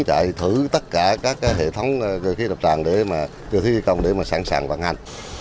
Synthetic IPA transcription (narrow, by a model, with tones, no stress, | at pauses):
ŋt͡ɕa̰ː˧˨jt̪ʰɨ˧˩t̪ə˦˥t̚kaː˧˩kaː˦˥kːaː˨˦jɦḛ˧˨t̪ʰə˨˦wŋ͡mkəː˧˩xi˨˦˥ɗə˨˩p̚t͡ɕaː˨˩ŋɗe˧˩maː˨˩ | t͡ɕɨ˧˩t̪ʰi˧˦i˧kə˧˨wŋ͡mɗe˧˩maː˨˩saː˧˩ŋsaː˧˩ŋvaː˧˩nha˨˧˩jŋ̟